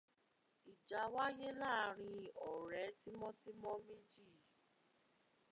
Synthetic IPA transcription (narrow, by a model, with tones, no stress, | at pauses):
i˨d͡ʒa˨˦wa˦je˦la˦˨˦ɾ̃ĩ˧ɔ˨ɾɛ˨˦ti˦mɔ̃˦ti˦mɔ̃˦mĩ˦d͡ʒi˦˨